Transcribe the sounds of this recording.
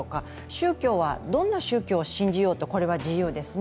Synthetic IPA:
oka | ɕɨːkʲo̞ːβad̪õ̞nːaɕɨːkʲo̞ːɕĩɲ̟d͡ʑijo̞ːt̪o̞ko̞ɾe̞β̞ad͡ʑijɯ̟ːd̪e̞sɨn

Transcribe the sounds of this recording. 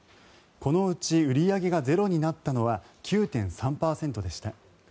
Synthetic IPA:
ko̞no̞ɯ̟t͡ɕiɯ̟ɾʲiaɡe̞ɡaze̞ɾo̞ɲ̟inat̪ːano̞βa | kʲɨːt̪ẽ̞ɰ̃sãmpaːsẽ̞nt̪o̞d̪e̞ɕi̥t̪a

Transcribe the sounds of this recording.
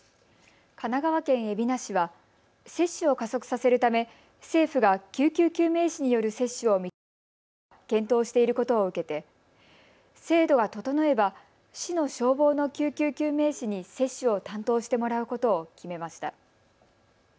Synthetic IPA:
kanaɡaβakẽɰ̃e̞bʲinaɕiβa | se̞ɕːɨo̞kaso̞kɯ̟̥sase̞ɾɯ̟t̪ame̞ | se̞ːɸɯ̟ɡakʲɨːkʲɨːkʲɨːme̞ːɕiɲ̟ijo̞ɾɯ̟se̞ɕːɨo̞mʲi | kẽ̞nt̪o̞ːɕi̥t̪e̞iɾɯ̟ko̞t̪o̞ːɯ̟ke̞t̪e̞ | se̞ːd̪o̞ɡat̪o̞t̪o̞no̞e̞ba | ɕino̞ɕo̞ːbo̞ːno̞kʲɨːkʲɨːkʲɨːme̞ːɕiɲ̟ise̞ɕːɨo̞t̪ãnt̪o̞ːɕi̥t̪e̞mo̞ɾaɯ̟ko̞t̪o̞ːkʲime̞maɕi̥t̪a̰

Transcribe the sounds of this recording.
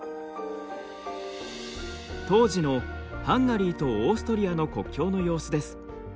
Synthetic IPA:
t̪o̞ːʑino̞ | hãŋɡaɾʲiːt̪o̞ːsɨ̥t̪o̞ɾʲiano̞ko̞kʲːo̞ːno̞jo̞ːsɨd̪e̞sɨ̥

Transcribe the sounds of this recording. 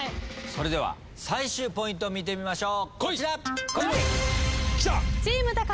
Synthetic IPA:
so̞ɾe̞d̪e̞βa̰ | saiɕɨːpo̞ĩnt̪̬o̞mʲit̪e̞mʲimaɕo̞ːkoako | kʲtat͡siːmɯ̟t̪aka

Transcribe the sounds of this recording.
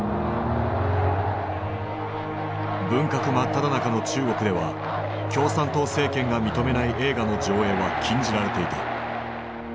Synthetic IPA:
bɯ̟̃ŋkakɯ̟mat̪ːad̪anakano̞t͡ɕɨːɡo̞kɯ̟d̪e̞βa | kʲo̞ːsãnt̪o̞se̞ːkẽ̞ŋɡamʲit̪o̞me̞naiʔe̞ːɡano̞d͡ʑo̞ːe̞ːβakʲʰĩɲ̟d͡ʑiɾaɾe̞t̪e̞it̪a

